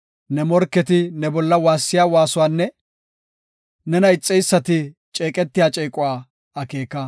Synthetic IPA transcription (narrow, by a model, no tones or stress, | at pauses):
nɛmɔɾkːɛt̪ɪnɛbɔlːɐwaːsːɪjaːwaːsʊwaːnːɛ | nɛnɐɪt͡sʼːɛjsːɐt̪ɪt͡ʃʼeːkʼɛt̪ːɪjaːt͡ʃʼeːkʼʊwaː | ɐke̞ːkːɐ